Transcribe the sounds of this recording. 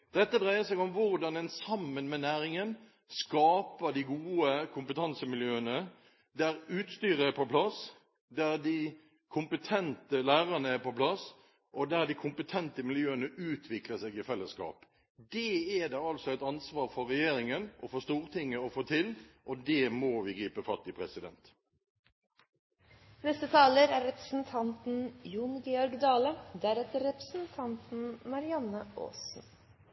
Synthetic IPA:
d̪̥ɛt̪ːəd̪ʁæɪəsɛɡʊmʋʊɾd̪ɑnɛnsɑmːənmɛnæːɾɪŋən | skɑːpəd̪ɪɡuːəkʰʊmpət̪ʰɑnsəmɪljøːənə | d̪æɾʉːt̪st̪yːɾəæɾpɔpʰlɑs | d̪æɾd̪ɪ | kʰʊmpət̪ʰɛnt̪əlæːɾɑnəæpɔpʰlɑs | ʔɔd̪æɾd̪ɪkʰʊmpət̪ʰɛnt̪əmɪljøːənəʉːt̪ʰʋɪkləsɛɡɪfɛlːəskɑ̰ːp | d̪ɛːɛd̪ɛɑlsɔæɪt̪ɑnsʋɑːɾfɔʁɛjeːɾɪŋənʔɔfɔst̪uːɾt̪ʰɪŋːəɔfoːt̪ʰɪlʔɔd̪ɛmɔʋɪɡɾiːpəfɑt̪ːɪpʰʁɛsɪd̪ɛ̰nt̪ | nɛst̪ət̪ʰɑːləɾæːɾɾɛpɾəsn̩t̪ʰɑnt̪n̩junɡɛɔɾɡd̪ɑːləd̪æɾɛt̪əɾɾɛpɾəsn̩t̪ʰɑnt̪n̩mɑɾɪɑnəʔo̰ːsn̩

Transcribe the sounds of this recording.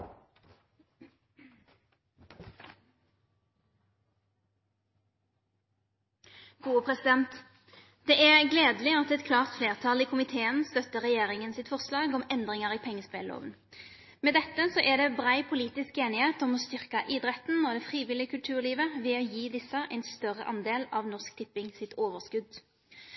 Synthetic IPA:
ɡ̥uːəpʰʁɛsɪd̪ɛnt̪ | d̪̥ɛːʔæʁɡleːd̪əlɪɑt̪ɛt̪kʰlɑːʁt̪fleːʁt̪ʰɑliːkʰʊmɪt̪ʰeːənst̪œt̪ːəʁɛjeːʁɪŋənsɪt̪fɔʁslɑːɡɔmɛnd̪ʁɪŋəʁiːpʰɛŋːəspḛːlo̰ːʋən | meːd̪ɛt̪ːəsɔʔæd̪ɛːbʁæɪpʰʊliːt̪ɪskeːnɪheːt̪ɔmɔːst̪ʏʁkɑʔɪd̪ʁɛt̪n̩ːɔd̪ɛːfʁiːʋɪlɪəkʰʉlt̪ʰʉːʁliːʋəʋɛːoːjiːd̪ɪsəʔæɪnst̪œʁə̰ʔɑnd̪eːlɑːʋnɔʁsk̚t̪ʰɪpːɪŋsɪt̪ʰoːʋəʁskʉd̪

